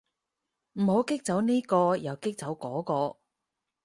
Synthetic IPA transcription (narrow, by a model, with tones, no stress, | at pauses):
m̩˨˩ho˨˥wkɪ˥k̚t͡sɐ˨˥wniː˥kɔː˧jɐ˨wkɪ˥k̚t͡sɐ˨˧˥wkɔː˨˥kɔː˧